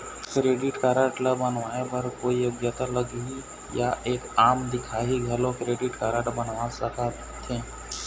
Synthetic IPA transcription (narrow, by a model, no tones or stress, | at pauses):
kɾeːɖɪʈkaːɾəʈləbːənʋaːebɐɾkoːijoɡjət̪aləɡui | jaʔeːkaːmd̪ɪkʰaːɦiɡʱɐlõkɾeːɖɪʈkaːɾəʈbənʋasəka | t̪ʰẽː